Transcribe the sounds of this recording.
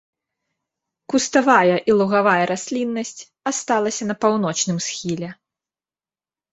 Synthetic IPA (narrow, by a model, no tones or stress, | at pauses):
kust̪avajɐʔilˠuɣavajɐɾasʲlʲinːɐsʲt͡sʲ | ast̪alˠɐsʲɐnɐpawn̪ɔt͡ʂnɨmsxʲilʲɛ